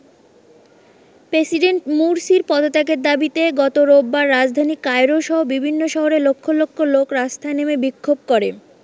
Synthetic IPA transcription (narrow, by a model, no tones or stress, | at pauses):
pɾesiɖeɳʈmuɾsiɾpɔd̪ot̪akeɾd̪abit̪eɡɔt̪oɾobːaɾːad͡ʑd̪ʱanikajɾoʃɔɦobibʱinːoʃɔɦoɾelokʰːolokʰːolokɾast̪ʰaenemebikʰːob̚koɾe